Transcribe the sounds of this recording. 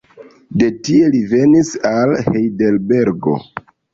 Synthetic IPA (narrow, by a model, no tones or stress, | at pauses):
de̞tie̞live̞nisalhejde̞lbe̞ɾɡo̞̰